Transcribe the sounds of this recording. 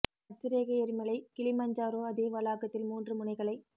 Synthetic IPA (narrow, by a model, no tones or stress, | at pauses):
ɐt͡ʃːɪɾeːɣɐɛɾɯmɐɭɐɪkɪɭɪmɐɲd͡ʒaːɾoːɐðeːʋɐlaːɣɐt̪ːɪlmuːndrɯmʊnɐɪɣɐɭɐɪ